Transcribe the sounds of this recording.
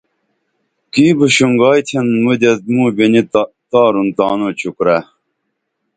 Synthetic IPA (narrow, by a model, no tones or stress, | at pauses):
kiːbuɕuŋɡɑːjt̪ʰenmud̪ɐt̪̚muːbini | t̪ɑːɾunt̪ɑːnot͡ɕʰukɾa